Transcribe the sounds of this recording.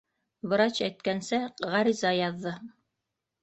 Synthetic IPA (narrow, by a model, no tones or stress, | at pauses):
βɤ̆ɾɑt͡ɕæjt̪kænsɘʁɑɾizɑjɑðːɤ